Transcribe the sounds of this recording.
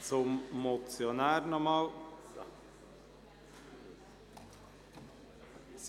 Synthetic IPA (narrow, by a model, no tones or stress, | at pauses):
sɔmmɔt̪sɪɔnæːɾnɔɾmɑːl